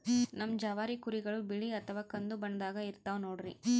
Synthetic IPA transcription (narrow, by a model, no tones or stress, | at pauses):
nɐmːd͡ʒɐʋaːɾikuɾiɡɐɭubiɭiɐt̪ʰɐʋaːkɐnd̪ubɐnd̪aːɡɐiɾt̪ɐːʋnoːɽɾi